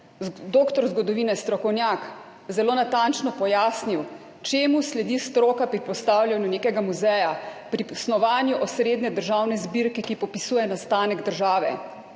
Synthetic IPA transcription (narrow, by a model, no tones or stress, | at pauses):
d̪oːkt̪ɔɾzɡɔd̪ɔʋiːnɛst̪ɾɔkɔwnjaːk | zɛloːnat̪ant͡ʃnɔpɔjaːsniw | t͡ʃeːmuslɛd̪ist̪ɾoːkapɾipɔst̪awljanjuneːkɛɡamuzɛjapɾipsnɔʋaːnjuʔɔsɾeːd̪nɛd̪əɾʒaːwnɛzbiɾkɛkipɔpisuːjɛnast̪aːnɛɡd̪əɾʒaːʋɛ̰